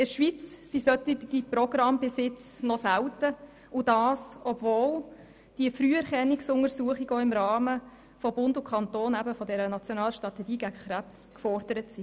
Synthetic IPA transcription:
ɪɾʃʋit͡ssisœt̪itiɡiprɔɡrɑmbɪsɪt͡snɔsæwtə | ʊdɑːsɔbvoːl | d̥iəfryːɛɾχɛnːiksʊŋəɾsuəχiɡoɪmɾɑːmə | fɔbʊndʊkʰɑntoːnæbəfɔdɛɾənɑt͡sjonɑːlʃtʁɑt̪ɛɡiːɡæɡəχɾæps | kfɔrd̥əɾətsi

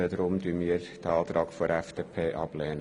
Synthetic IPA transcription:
ədɾʊmdyːmiːɾd̥əɑːt̪ɾɑːɡ̥foɾɛfd̥eːpʰeːʔɑb̥lɛːnə

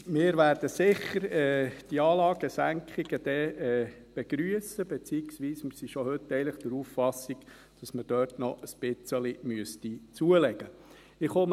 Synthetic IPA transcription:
mɪːɾʋæɾd̥əsɪχəɾɛːd̥iɑːlɑːɡ̥əsæŋkχiɡ̥əd̥̪ɛɛː | b̥ɛɡ̥ɾyəsəbɛt͡siːɪksʋiːsmɪsiʃɔhʏtːɛɪləχd̥əɾuːffɑsiɡ | d̥ɑsməd̥øːɾtnɔʔəsb̥ɪt͡səlimyəstit͡suəlɛɡ̥ə | ɪχom

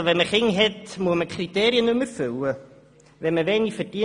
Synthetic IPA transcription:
vɛməχɪŋɦɛdmuəməkʰrit̪ʰɛːɾjənʊmərfʉw | vɛməvɛnifərdiə

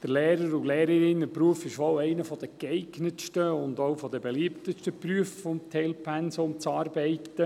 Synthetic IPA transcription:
d̥əɾleːɾəɾuleːɾəɾɪnəpruəfɪʃʋɔwɛɪnəfɔd̥̪əkɛɪɡnəʃtəʊnd̪owfɔd̪əbeliəpt̪əʃtəpryəffɔmt̪ʰɛlpʰɛnsomt͡sɑːrbɛɪtːə

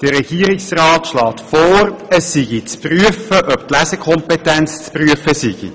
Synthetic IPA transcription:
d̥əɾɛɡ̥iəɾiksraːtʃlɑːtfɔːɾəsːiɡit͡spryəfəʔœptlæzəkʰɔmpɛtɛnt͡st͡spryəfəsiɡ̥ḭ

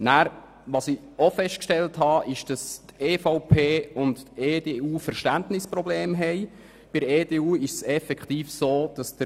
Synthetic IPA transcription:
næːɾ | ʋɑsiofɛʃtkʃtɛlthɑːʔɪʃd̥ɑsteːfaʊpʰeːʊnteːdeːuːfəɾʃtæntnɪsprɔbleːmɦɛɪ | b̥ɪɾeːdeːuːɪʃsɛfɛkχtiːfsoːd̥ɑsd̥ə

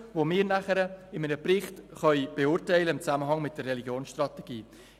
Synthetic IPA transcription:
vomɪːɾnæχəɾəɪmənəprɪχtχœʏb̥eʊːrtɛɪləɪmt͡saməɦɑŋmɪt̚d̥ərːɛliɡjoːnsʃtrɑteɡ̥iː

